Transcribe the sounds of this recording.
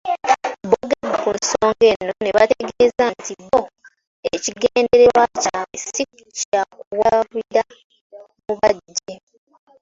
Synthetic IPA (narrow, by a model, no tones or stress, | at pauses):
boɡaɡukunsoːŋɡe̞no̞ne̞βateɡezantʰiβo | eciɡeːndeɾewacaesikucakuwaβiɾa | muβaɟːe